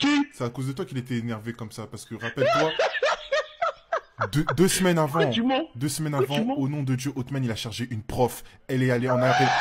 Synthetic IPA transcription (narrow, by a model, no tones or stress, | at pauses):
kisɛakozd̪ət̪wakilet̪ɛenɛʁvekɔmsapaʁsə̥kəʁapɛlt̪wa | d̪ød̪øsmɛnavɑ̃m̃d̪øsmɛnavɑ̃onɔ̃d̪əd̪jøʔot̪manilaʃaʁʒeʔynpχɔfɛlɛaleɑ̃naʁɛ